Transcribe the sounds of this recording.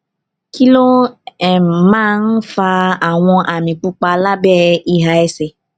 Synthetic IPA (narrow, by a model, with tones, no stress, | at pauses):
ki˦lo˦ɛ˦˨mãː˦˧n̩˦fa˧a˨w̃ɔ̃˧ʔa˨mĩ˨k͡pu˧k͡pa˧la˦bɛ˦˨i˧˨ɦa˨ɛ˧sɛ˨